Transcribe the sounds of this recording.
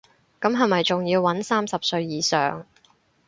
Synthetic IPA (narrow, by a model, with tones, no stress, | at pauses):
kɐ˨˥mɦɐ˨jmɐ˨jt͡sʊ˨ŋjiː˧wːɐ˨˥nsaː˥msɐ˨p̚sɵ˧ɥjiː˨sœ̰ː˨˩ŋ